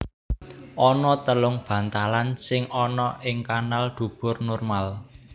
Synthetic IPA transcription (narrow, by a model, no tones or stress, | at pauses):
ʔɔnɔt̪əlʊŋb̥ä̤nt̪alansɪŋɔnɔʔɪŋkanald̪̥ṳb̥ʊ̤rnɔrmal